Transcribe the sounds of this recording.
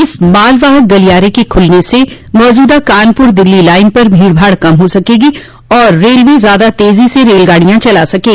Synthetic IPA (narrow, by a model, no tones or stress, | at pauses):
ɪsmaːlʋaːɦək̚ɡɐlijaːɾekekʰʊlnese | mɔːd͡ʒuːd̪akaːnpʊɾd̪ɪlːilaːɪnpɐɾbʱiːɽbʱaːɽkɐmɦosɐkeːɡi | ɔːɾːeːlʋezjaːd̪at̪eːziseɾeːlɡaːɽijãt͡ʃɐlasɐkeːɡ